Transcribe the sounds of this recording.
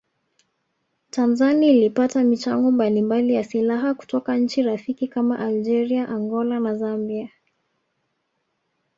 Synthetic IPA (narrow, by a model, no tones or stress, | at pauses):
tanzaniːlipatamit͡ʃaŋɡɔmbalimbalijasilaɦaku̥tɔkaɲ̩t͡ʃiɾafikikamaʔald͡ʒɛɾiaʔaŋɡɔlanazambia